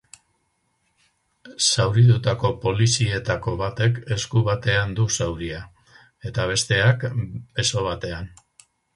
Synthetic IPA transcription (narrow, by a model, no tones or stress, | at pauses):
sawɾiðut̪ako̞po̞lisie̞t̪ako̞βat̪e̞ke̞skuβ̞at̪e̞and̪usawɾia | e̞t̪aβ̞e̞st̪e̞ake̞so̞β̞at̪e̞an